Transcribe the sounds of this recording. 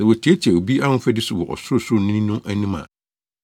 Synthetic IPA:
ɛ˨wɔ˨tʰi˨˦æ˦t͡ɕʰɛ˨o˨bi˦a˦nʊ̃˦fɛ˦dɪ˦sʊ˨wɔ˨ʔɔ̰˨sʊ˦˨sʊ˦˨nɪ̃˦nʊ̃˦ʔæ˦nĩ˦mã̰˨

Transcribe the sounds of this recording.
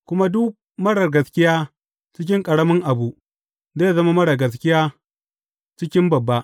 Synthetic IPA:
kʷʊ˦ma˦dʊ˦k̚ | mɐ˦ɽɐ˨rɡɐ˨skʲɪ˦jaː˦ | t͡ʃɪ˦kʲɪ˦ŋkʼɐ˨ɽɐ˦mɪ˦ŋʔa˨bu˦ | zaː˦ja˨zɐ˦ma˦mɐ˦ɽɐ˨ɡɐ˨s̬kʲɪ˦jaː˦ | t͡ʃɪ˦kʲɪ˦mbɐ˨bːa˦ʔ

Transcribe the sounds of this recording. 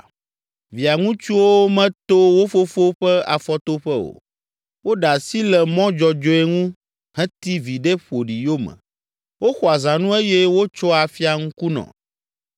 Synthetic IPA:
vi˨a˨ŋũ˦t͡ʃu˦wo˦mɛ̃˦t̪o˦wo˦fo˦fo˦ɸɛ˦a̰˨fɔ˦t̪o˦ɸɛ˦o̰˨ | wo˦ɖa˨si˦lɛ˨mɔ̃˦d͡ʒɔ˨d͡ʒɔ˦e˦ŋũ˦ | hɛ̃˦t̪i˦vi˨ɖe˦ɸo˨ɖi˨jo˦mɛ̰̃˨ | wo˦xɔ˨a˨zã˨nũ˦e˦jɛ˦wo˦t͡ʃɔ˦a˨fi˦a˨ŋũ˦ku˦nɔ̰̃˨

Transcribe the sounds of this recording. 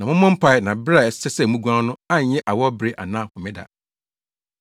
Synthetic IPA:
nã˨mʊ̃˦mɔ̃˦m̩˦pʰa˦ɪ˦˨nã˨bɾa˦˨ɛ˨ssɛ˦sɛ˦˨mũ˦ɡu˦ã˦nʊ̃˦ã˦ɲ˨ɲɛ˦ʔa˨wɔ˦bɾe˦ʔa̰˨nãː˦˨hʊ̃˨mɪ̃˦da̰˨

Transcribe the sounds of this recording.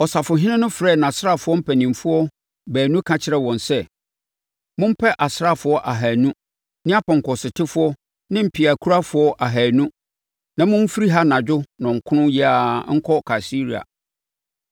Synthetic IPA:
ɔ˨sa˨fʊ˨ɦɪ̃˦nɪ̃˦nʊ̃˦fɾɛ˦˨nã˨sɾa˦˨fʊ˦ɔ˦m̩˦pʰæ˨nĩ˨m˨fʊ˦ɔ˦ | bæː˨nũ˦kʰã˦t͡ɕʰɪ˦ɾɛ˦wɔ̃˨nsɛ˦ | mʊ̃˦m̩˦pʰɛ˦ʔa˨sɾa˦fʊ˨˦ɔ˦ʔa˨ɦæː˨nũ˦ | nɪ̃˦a˦pʰɔ̃˨ŋ˨kɔ˨sɪ˨tʰɪ˦fʊ˦ɔ˦ | nɪ̃˦m̩˦pʰi˨a˨kʰu˦ɾa˦fʊ˦ɔ˦ʔa˨ɦæː˨nũ˦ | nã˨mʊ̃˦m̩˦fi˦ɾi˦ɦa˦nã˨d͡ʑᶣʊ˦nʊ̃˨ŋ̩˨kʰʊ˦nʊ̃˦ji˦aː˦ŋ̩˦kʰɔ˦kʰa˨si˦ɾi˨a̰˨

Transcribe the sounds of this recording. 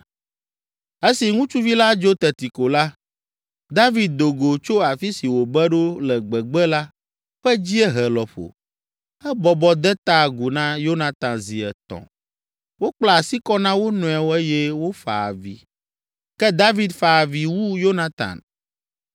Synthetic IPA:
e˦si˨ŋũ˦t͡ʃu˦vi˦la˦d͡ʒo˦t̪ɛ˨t̪i˨ko˨la˦ | d̪a˦vi˨d̪̚d̪o˨ɡo˨t͡ʃo˦a˨fi˦si˨wo˨bɛ˦ɖo˦lɛ˨ɡ͡bɛ˨ɡ͡bɛ˦la˦ | ɸɛ˦d͡ʑi˦ɛ˦ɦɛ˨lɔ˨ɸo̰˨ | ɛ˦bɔ˨bɔ˦d̪ɛ˦t̪a˦˨ɡu˨nã˦jo˦nã˨t̪ã˨nzi˨ɛ˨t̪ɔ̰̃˨ | wo˦k͡pla˨a˨si˦kɔ˦nã˦wo˦nɔ̃˨ɛ˨wo˦ɛ˦jɛ˦wo˦fa̰˨a̰˨vḭ˨ | kɛ˦d̪a˦vi˨d̪fa˨vi˨wu˦jo˦nã˦t̪ã̰˨n

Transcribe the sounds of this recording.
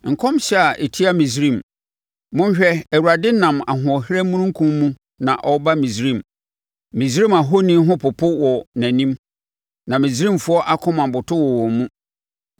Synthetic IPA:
ŋ̩˨kʰɔ̃˦mɕɛ˦a˨ʔe˨tʰi˦a˦mĩ˨s̬ɾĩ˦˨m | mʊ̃˦n˦ɕᶣɛ˦ɛ˨wu˨ɾa˨dɪ˦nã˨ma̰˨ɦʊ̃˨ɔ˨hɾæ˦mũ˦nũ˦ŋ̩˦kʰũ˦mːũ˦ | nã˨ʔɔ˦ba˦mĩ˨sɾĩ˦˨m | mĩ˨sɾĩ˦ma˨ɦo˦nĩ˦ɦʊ̃˦pʰʊ˨pʰʊ˦wɔ˨næ̃˨nĩ˦m | nã˨mĩ˨z̬ɾĩ˦˨mfʊ˦ɔ˦ʔa˦kʰʊ̃˦mã˨m˨bʊ˨tʰʊ˦wɔ˨wɔ˨mũ˦

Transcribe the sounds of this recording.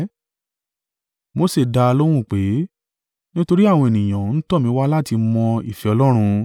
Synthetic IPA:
mo˨˦se˦˨da˧lo˦w̃ũ˦˨k͡pe˨˦ | nĩ˦to˧ɾi˦a˦˨w̃ɔ̃˧e˨nĩ˨j̃ã˨n̩˦tɔ˦˨mĩ˨˦wa˦la˦ti˧mɔ̃˧i˦˨fɛ˨˧ɔ˧lɔ˦ɾ̃ũ˧

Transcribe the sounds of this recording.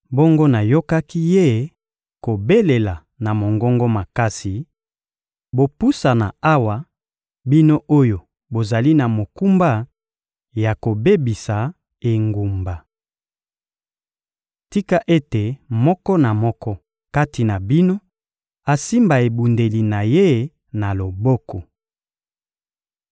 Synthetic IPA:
bo˦ŋɡo˦na˨jo˦ka˦ki˦je˦ | ko˨be˦le˨la˨ | na˨mo˨ŋɡɔ˦ŋɡo˦ma˨ka˦si˨ | bo˨pu˦sa˨na̰˨a˦wa˨ | bi˦no˦ʔo˦jo˨ | bo˨za˨li˦na˨mo˨ku˦mba˦ | ja˨ko˨be˦bi˨sa˨ | e˨ŋɡu˨mba˨ | ti˦ka˦ʔe˦te˨mɔ˦kɔ˦na˨mɔ˦kɔ˦ | ka˦ti˨na˨bi˦no˦ | a˨si˦mba˨e˨bu˨nde˨li˨na˨je˦ | na˨lo˨bɔ˦kɔ˨

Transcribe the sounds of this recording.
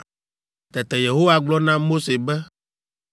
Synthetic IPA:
t̪ɛ˨t̪ɛ˨je˨ɦo˦wa˦ɡ͡blɔ˦nã˦mo˦se˨bɛ˦

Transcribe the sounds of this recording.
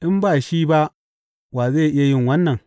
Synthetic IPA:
ʔɪ˦mbaː˦˨ʃiː˦ba˦ | waː˨zeː˦˨ʔɪ˦ja˦jɪ˦˨ŋwɐ˦nːɐ˨ŋ

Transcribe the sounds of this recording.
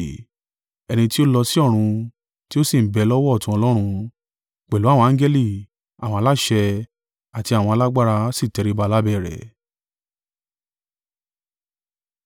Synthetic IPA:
ɛ˧nĩ˧ti˦o˦lɔ˧si˦ɔ˦˨ɾ̃ũ˧ | ti˦o˦si˦˨m̩˨bɛ˧lɔ˦wɔ˦˨tũ˧ɔ˧lɔ˦ɾ̃ũ˧ | k͡pɛ˨lu˦a˦˨wɔ̃˧ã˦d͡ʒɛ˦li˦˨ | a˨w̃ɔ̃˧a˧la˦ʃɛ˧ | a˨ti˧a˨w̃ɔ̃˧a˧la˦ɡ͡ba˦ɾa˧si˦˨tɛ˨˧ɾi˦ba˧la˦bɛ˦˨ɾɛ̰˨

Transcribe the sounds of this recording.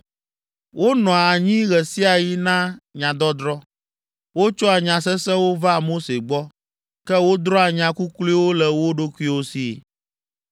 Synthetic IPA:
wʔo˦nɔ̃˨a˨ɲĩ˦ɣɛ˨si˦a˨ji˦nã˦ɲã˨d̪ɔ˦d̪ɾɔ˦ | wo˦t͡ʃɔ˦a˨ɲã˨sɛ˦sɛ̃˦wo˦va˦˨mo˦se˨ɡ͡bɔ˦ | kɛ˦wo˦d̪ɾɔ˦a˨ɲã˨ku˦kli˦wo˦lɛ˨wo˦ɖo˦kʷu˦i˦wo˦si˦˨

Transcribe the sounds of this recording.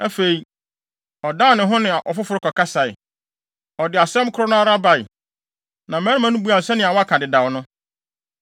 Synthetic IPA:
æ˦fe˨i˨ | ɔ˨dã˦˨nɪ̃˨ɦʊ̃˦nɪ̃˨a˨ʔɔ˨fʊ˦fʊ˨ɾʊ˦kʰɔ˨kʰa˦sa˨ɪ̰˨ | ɔ˨dɪ˨a˨sɛ̃˦m˦kʰʊ˦ɾʊ˦nʊ̃˦a˦ɾa˦ba˨ɪ˨ | nã˨mɛː˦ɾɪ̃˦mã˦nʊ̃˦bu˦a˨sɛ˦nɪ̃˨a˨wɔ˦a˦kʰa˨dɪ˨dã˨wnʊ̃˦

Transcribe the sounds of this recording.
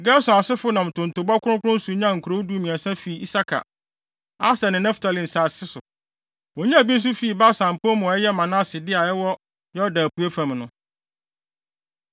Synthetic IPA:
ɡɛ˦sʊ̃˨a˨sɪ˦fʊ˦nã˨m˨tʰʊ̃˨n̩˨tʊ˨bɔ˦kʰʊ˦ʊ̃˦kʊ˦ʊ̃˦su˨˦ɲã˦ŋ̩˨kʰu˨ɾo˦du˦mĩ˨ã˨sã˦fiː˨i˦sa˦kʰa̰˨ | a˦sa˨nɪ̃˨nɛ̃˦ftʰa˨lĩ˨n̩˨sa˨sɪ˦sʊ˨ | wɔ̃˨ɲã˦˨bi˦n̩˦s̬u˦fiː˨ba˦sã˨m˨po˦m̃˨ɛ˦jɛ˦mã˨nã˦sɪ˨dɪ˦a˨ɛ˦wɔ˦ | jɔ˦dã˨pʰu˨˦e˦fã˨mnʊ̰̃˨

